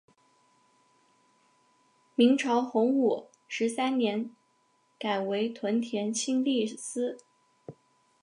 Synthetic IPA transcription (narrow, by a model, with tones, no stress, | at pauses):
mi˧˥ŋʈ͡ʂʰɑ˧˥ʊxʊ˧˥ŋu˨˩ | ʂɻ̩˧˥sa˥nnjɛ˧˥n | ka˨˩ɪwe˧˥ɪt̪ʰwə˧˥nt̪ʰjɛ˧˥nt͡ɕʰi˥ŋli˥˩sɹ̩˥